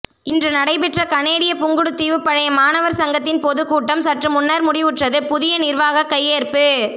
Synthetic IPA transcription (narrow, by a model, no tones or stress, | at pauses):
ɪndrɯnɐɽɐɪpɛʈrɐkɐneːɽɪjɐpʊŋɡɯɽɯt̪ːiːʋɯpːɐɻɐjɐmaːnɐʋɐɾsɐŋɡɐt̪̬ːɪnpɔðɯkːuːʈːɐmsɐʈrɯmʊnːɐɾmʊɽɪʋɯʈrɐðɯpʊðɪjɐnɪɾʋaːɣɐkːɐjːeːɾpɯ